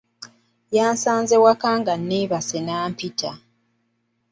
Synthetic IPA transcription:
jaːnsaːnzewakaːŋɡanːiːβasenaːmpitʰa

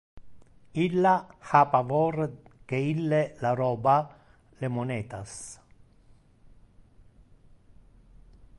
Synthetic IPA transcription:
ilːahapavɔrkeilːelaɾɔːba | lemonɛːt̪as

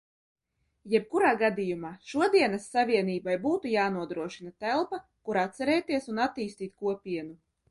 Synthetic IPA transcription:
jɛb̚kuɾaːɡad̪ijumaːʃuɔd̪iɛnɐsːavʲiɛniːbajbuːt̪ujaːnuɔd̪ɾuɔʃinat̪ælˠpakuɾat̪̚sɛɾɛːt̪iɛsunat̪ːiːst̪iːt̪̚kuɔpʲiɛnu

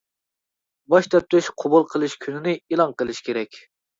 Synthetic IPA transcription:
bɑʃt̪ʰɛp̚t̪ʰyʃqʰobulˠqʰəlˠɨʃkʲʰynɪnɪilˠɑŋqəlˠɨʃkʲʰeɾɛkʲ

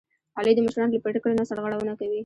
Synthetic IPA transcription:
ɑled̪əmʊʃɾɑnlapeʈɪkələnasaɽɣɑɽawənakawi

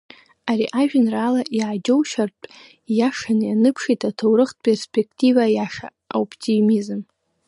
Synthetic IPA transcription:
aɾiʔaʒᶣnralaʔiʕad͡ʒo̞wʃartʼ | jaʂanjanɨpʰʂitʰatʰowɾɨχt̚ʰʼpʼerspʰe̞kʰtʰivajaʂa̰ | opʰtʰimizɨm

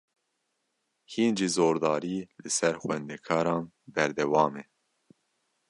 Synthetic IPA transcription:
hiːnʒiːzoːɾd̪ɑːɾiːlɨsɛɾxwɛnd̪ɛkʰɑːɾɑːn | bɛɾd̪ɛwɑːmɛ

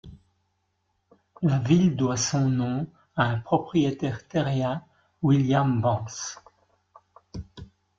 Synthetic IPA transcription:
lavild̪wasɔ̃nɔ̃ | aɛ̃pχɔpχijet̪ɛʁt̪ɛʁjɛ̃ | wiljambɑ̃s

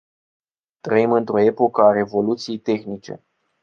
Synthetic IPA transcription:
t̪ɾəimɨnt̪ɾo̞e̞po̞kəaɾe̞vo̞lut̪sijejt̪e̞xnit͡ʃe̞̰

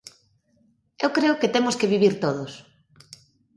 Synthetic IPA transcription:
ewkɾeʊket̪emʊskeβ̞iβ̞iɾt̪oð̞ʊs

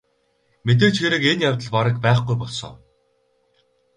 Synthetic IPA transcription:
met̪̬eːt͡ɕxeɾɘ̆kenjawt̪ə̆ɮpaɾə̆kpæːχɡujpɔɮsɞ̰ː

